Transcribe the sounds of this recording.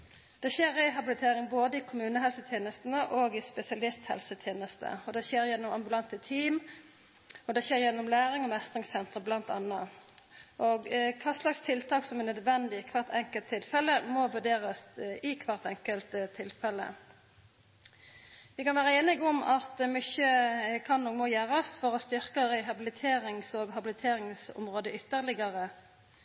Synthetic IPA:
d̪̥ɛɕeːɾɛɦɑbɪlɪt̪ʰeːɾɪŋboːd̪əɪkʰʊmʉːnəɦɛlsət̪ʰjeːnəst̪ənəʔɔɡɪspɛsɪɑlɪst̪hɛ̰lsət̪ʰjeːnəst̪ə̰ɔd̪ɛçeːɾjɛnːɔmɑmbʉlɑnt̪ət̪ʰiːm | ɔd̪ɛɕeːʁjɛnːɔmlæːʁɪŋɔmɛst̪ʁɪŋsɛnt̪ʁəblɑnt̪ɑ̰nːə | ʔɔɡkʰɑslɑkst̪ʰɪlt̪ʰɑːksɔmɛnœd̪ʋɛnd̪ɪkʰʋɑʁt̪ʰɛŋkəlt̪ʰːɪlfɛlːəmɔʋʉɖ̪eːʁəsɪkʰʋɑʁt̪ɛŋkəlt̪t̪ʰːɪlfɛlːə̰ | ʋɪkɑnʋæːʁəeːnɪɡɔmɑt̪mʏçəkʰɑnːɔːɡmɔjæːʁəst̪fɔʁɔst̪ʏʁkəʁɪɦɑbɪlɪt̪ʰeːʁɪŋsɔɡɦɑbɪlɪt̪ʰeːʁɪŋsʊ̰mʁoːd̪əʏt̪ːəʁlɪɡəʁə

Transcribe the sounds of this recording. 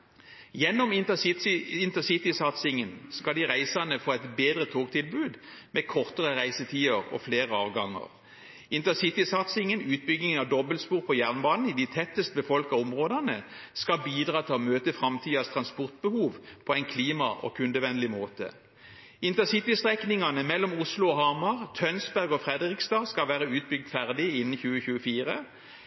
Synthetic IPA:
jɛnːɔmɪnt̪əɪnt̪əsɪt̪ɪsɑt̪sɪŋənskɑld̪iʁæɪsɑnəfoːɛɪt̪beːd̪ʁət̪ʰoːɡt̪ʰɪlbʉːd̪meːkʰɔʁt̪əʁəʁæɪsət̪ʰiːəʁɔ̰fleːʁəɑːʋɡɑŋːə̰ʁ | ɪnt̪əsɪt̪ɪsɑt̪sɪŋənʉːt̪̚bʏɡnɪŋənɑʋd̪ɔbəlspuːʁpʰɔjæʁnbɑːnn̩ɪd̪it̪ʰɛt̪ːəst̪əbəfɔlkɑɔmʁoːd̪ənəskɑbiːd̪ʁɑːt̪ʰɪlɔmøːt̪əfʁɑmt̪ʰiːɑst̪ʰʁɑnspɔʁt̪̚bəhuːʋpʰɔæɪnkʰliːmɑʔo̰kʰʉnd̪əʋɛnlɪmoːt̪ə̰ | ɪnt̪əsɪt̪ɪst̪ʁɛknɪŋɑnəmɛlːɔmʊslʊɔhɑmɑʁt̪ʰœnsbæʁɡɔfʁɛd̪ʁɪkst̪ɑːskɑʋæːʁəʉːt̪̚bʏɡ̚d̪fæʁd̪ɪɪnːn̩çʉːəçʉːəfiːʁə

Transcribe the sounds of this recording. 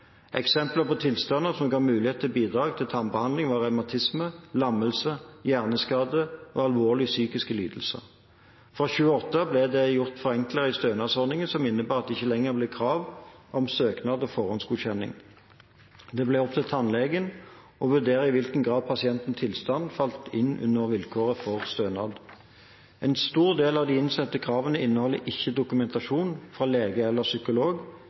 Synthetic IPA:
ʔɛ̰ksɛmpləʁpɔt̪ʰɪlst̪ɑnːəsɔmɡɑːmʉːlɪeːt̪ʰɪlbiːd̪ʁɑːɡt̪ʰɪlt̪ʰɑnbəhɑnd̪lɪŋʋɑːʁœmɑt̪ʰɪsməlɑməlsəjæːʁnəskɑːd̪əɔɑlʋoːʁlɪsyːkɪskəlyːd̪əl̩sə̰ | fʁɑːɕʉːəɔt̪ːəblɛd̪ɛjʊʁt̪fɔʁɛŋkləʁəɪst̪øːnɑsɔʁnɪŋənsɔmɪnːəbæːɑt̪̚ɛɪçəlɛŋːəʁblɛkʰʁɑːʋʔɔmsøːknɑːd̪ɔːfɔʁɔnsɡuçɛnɪ̰ŋ | d̪ɛblɛɔp̚t̪ʰɛt̪ʰːɑnlɛɡən | ɔʋʉʁd̪eːɾəɪʋɪlkənɡʁɑːd̪̚pʰɑsɪɛnt̪n̩st̪ʰɪlst̪ɑnd̪fɑlt̪ɪnʉ̰nːəʁʋɪlkʰoːʁəfɔʁst̪øːnɑ̰d̪ | ɛnst̪uːʁd̪eːlɑʋd̪iɪnsɛt̪ːəkʰʁɑːʋənəɪnːəhɔlːəʔɪçːəd̪ʊkʉmɛnt̪ɑʂuːnfʁɑleːɡəɛlːəsʏkʊloːɡ

